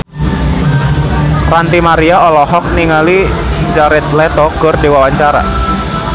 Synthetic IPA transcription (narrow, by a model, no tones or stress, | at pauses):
rant̪imaɾiaɔlɔɦɔk̚niŋalid͡ʒaɾɛt̪lɛt̪ɔkɨrdiwawaɲt͡ʃaɾa̰